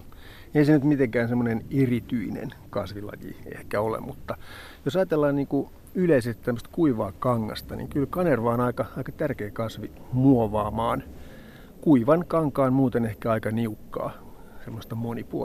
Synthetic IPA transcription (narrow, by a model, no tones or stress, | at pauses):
eisenyt̪mit̪eŋkæːnsemːonenerit̪yinḛn | kɑsʋilɑ̰jḭḛhkæolḛmut̪ːɑ | josɑjɑt̪elːɑːnniːŋku | yleiset̪t̪æmːøst̪kuiʋɑːkɑŋːɑ̰st̪ɑnḭːŋkylkɑnerʋɑːonɑikɑɑikɑt̪ærkeːkɑsʋimuoʋɑːmɑːn | kuiʋɑnkɑŋkɑːnmuːt̪enehkæɑikɑniukːɑ̰ː | semːost̪ɑmonipuo̰